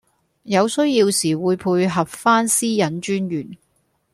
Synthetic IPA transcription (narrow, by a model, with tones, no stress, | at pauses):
jɐ˨˧wsɵ˥ɥjiː˧wsiː˨˩wuː˨˧jpʰuː˧jɦɐ˨p̚faː˥nsiː˥jɐ˨˥nt͡ʃyː˥njyː˨˩n